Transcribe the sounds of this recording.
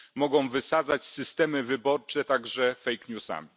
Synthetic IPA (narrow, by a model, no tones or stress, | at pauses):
mɔɡɔ̃w̃vɘsad̪zat͡ɕsɘst̪ɛmɘvɘbɔɾt͡ʂɛt̪aɡʐɛfɛjkɲusa̰mʲi